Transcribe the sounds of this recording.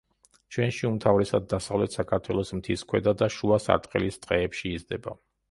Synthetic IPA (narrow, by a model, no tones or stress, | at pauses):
t͡ʃʰwɛnʃiumt̪ʰavɾɛsad̪̚ːasavlɛt̪ʰsakʰaɾt̪ʰwɛlˠɔsmt̪ʰiskʰwɛd̪ad̪aʃuasa̰ɾt̪ʼqʼɛ̰list̪ʼqʼɛːpʃiːzd̪ɛba̰